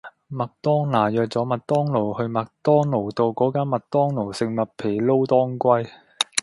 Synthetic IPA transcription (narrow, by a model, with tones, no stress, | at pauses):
mɐ˨k̚t̪ɔː˥ŋnaː˨˩jœː˨k̚t͡sɔː˨˥mɐ˨t̚t̪ɔː˥ŋlo˨˩whɵ˧ɥmɐ˨k̚t̪ɔː˥ŋlo˨˩wt̪o˧wkɔː˨˥kaː˥nmɐ˨t̚t̪ɔː˥ŋlo˨˩wsɪ˨˧ŋmɐ˨t̚pʰe˨˩jlo˥wt̪ɔː˥ŋkʷɐ˥j